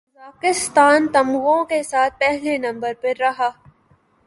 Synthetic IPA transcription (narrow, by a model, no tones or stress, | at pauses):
aːkɪst̪aːnt̪ɐmɣõkesaːt̪̚ʰpɛɦlenɐ̃mbəɾpɐɾːɐɦaː